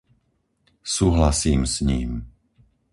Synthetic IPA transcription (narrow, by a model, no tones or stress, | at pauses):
suːɦlasiːmsɲiːm